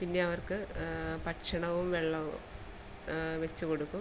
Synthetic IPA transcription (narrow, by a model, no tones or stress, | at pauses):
pinːe̞ɐʋɐrkɨpɐʈʂɐɳɐʋumʋeɭːɐʋṵm | ʋet͡ɕːukoɽukːum